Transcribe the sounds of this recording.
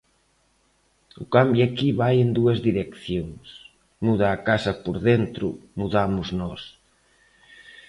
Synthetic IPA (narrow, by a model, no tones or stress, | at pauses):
ʊkambjakiβajend̪uɐzðiɾekθjoŋs | muð̞aːkasɐpoɾðent̪ɾʊ̰muðamʊznɔs